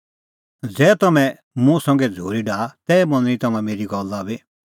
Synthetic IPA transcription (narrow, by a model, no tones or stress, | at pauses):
d͡zɛːt̪ɐmɛ̃ | mũsɐ̃ŋɡɛd͡zʱoːɾiɖaːt̪ɛːmɐ̃nĩt̪ɐmãmeːɾiɡɔlːabe